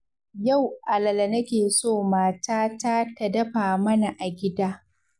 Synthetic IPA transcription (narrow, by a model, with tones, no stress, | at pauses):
ja˦˨wʔa˨lɐ˨lɐ˨nɐ˦kʲeː˨soː˦˨maː˦taː˦taː˦tɐ˨dɐ˦ɸaː˨mɐ˦na˨ʔa˨ɡʲɪ˦daː˦